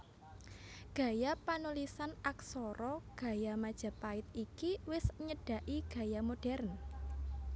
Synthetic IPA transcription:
ɡ̥ä̤japanulisanaksɔɾɔɡ̥a̤jamad̥ʒ̥a̤paɪt̪̚ikiwɪsɲəɖ̥a̤ʔiɡ̥ä̤jamoɖ̥ɛrn

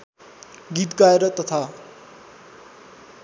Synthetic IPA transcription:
ɡit̪ɡaeɾʌt̪ʌt̪ʰa

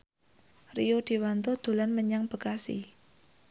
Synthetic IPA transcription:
riod̪̥i̤want̪od̪̥o̤lanməɲaŋb̥ə̤kasḭ

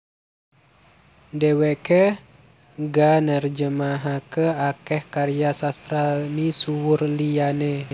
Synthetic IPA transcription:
dewɛʔkə | ɡanərd͡ʒəmaɦakəakɛhkaɾijasast̪ɾalmisuwurliane

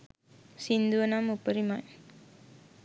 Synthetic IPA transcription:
sind̪uɐnaːmupːɐɾimaːj

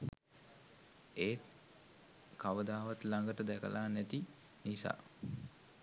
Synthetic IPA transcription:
eːt̪ | kaʋəd̪aːʋat̪laŋɡəʈəd̪ɛkə̰lʔaːnæt̪i | nisa̰ː

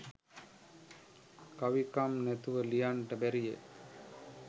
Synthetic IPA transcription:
kaʋikamnɛt̪uʋəlijaɳʈɐbɛɾijḛ

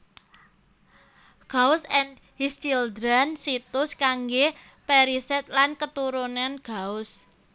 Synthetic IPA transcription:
ɡ̥aʊsɛn | hist̪ild̪ɾansit̪ʊskaŋɡe | pɛɾisɛt̪̚lankət̪uɾunanɡ̥aʊs

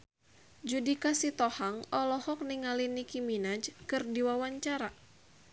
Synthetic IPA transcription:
d͡ʒudikasit̪ɔhaŋɔlɔhɔk̚niŋalinikiminad͡ʒkɨrdiwawaɲt͡ʃaɾa

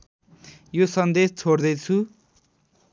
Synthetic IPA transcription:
josʌnd̪est͡sʰord̪ʌjt͡sʰu

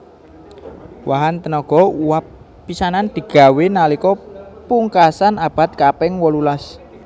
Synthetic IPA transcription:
wʔaɦant̪ənɔɡ̥ɔ̤uwapː | isanand̪̥i̤ɡ̥a̤wenalikɔpuŋkasanab̥a̤t̪̚kapɪŋwɔlulas

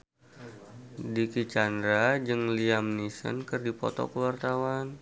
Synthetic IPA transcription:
dikit͡ʃandɾad͡ʒɨŋliamnisə̰nkɨrdipɔ̰t̪ɔ̰kəwart̪awan

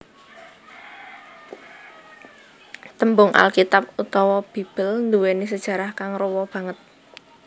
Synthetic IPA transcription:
t̪əmbʊŋʔa̰lkit̪ap̚ut̪ɔwɔb̥i̤b̥ə̤lnd̪uwenis̬əd̥ʒ̥ä̤ɾahkaŋrowɔb̥ä̤ŋət̪̚

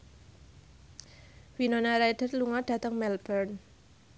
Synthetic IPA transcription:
winɔnaɾajd̥ərluŋaɖ̥ä̤t̪əŋmɛlbərn

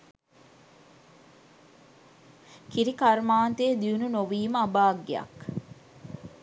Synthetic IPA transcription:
kiɾikɐɾmaːnt̪eːd̪iununoʋiːməɐbaːɡːeɐ̰k

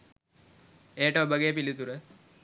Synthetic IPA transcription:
eːʈəobəɡeːpilit̪uɾə

